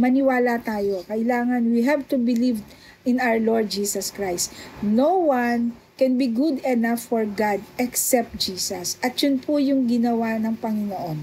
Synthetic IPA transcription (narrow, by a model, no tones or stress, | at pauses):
mɐnɪwaːlat̪aːjokɐʔɪlaːŋɐnwiɦɛvt̪ubɪliv | ɪ̃nawəɹloɹd̪̚d͡ʒiːsɐskɹajst̪nowan | kɛnbiɡud̪ɛnafːɔɹɡad̪ʔɛksɛp̚t̪̚d͡ʒiːsɐsʔɐt̪̚jʊnpʰʊjʊŋɡɪnɐwanɐŋpɐŋɪnoʔon